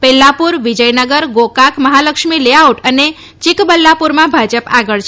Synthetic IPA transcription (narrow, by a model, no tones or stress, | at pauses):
pɛlːapuɾʋid͡ʒəjnəɡəɾɡokakməɦaləkʃmileauʈəne | t͡ʃikbəlːapuɾmãbʱad͡ʒəpaɡəɭt͡ʃʰ